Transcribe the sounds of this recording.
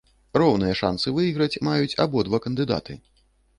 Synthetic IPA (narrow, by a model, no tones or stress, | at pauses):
rɔwnɨjɐʂa̰nsɨvɨiɣɾɐt͡sʲmajut͡sʲa̰bɔd̪vakɐnd̪ɨd̪a̰t̪ʰɨ